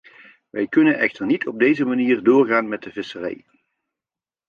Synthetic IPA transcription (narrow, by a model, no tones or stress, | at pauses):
ʋɛjkɵnənɛxtərnitʰɔb̚dejzəmaniːrdʊːrɣaːnmɛt̚dəvɪsərɛ̰j